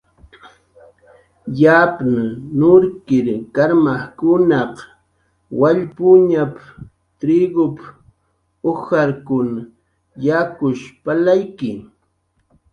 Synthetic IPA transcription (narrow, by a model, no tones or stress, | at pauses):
japnanʊɾkɪɾkaɾmaχkʊnɑq | waʎpʊɲap | t̪ɾɪɡʊp | oxaɾkʊna | jakʊʃpalajkɪ